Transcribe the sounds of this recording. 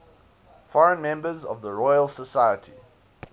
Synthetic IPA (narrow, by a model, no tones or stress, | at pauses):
fɔɹə̃nmɛ̃mbəzə̰vðəɹɔɪəlˠsəsaɪətʰḭ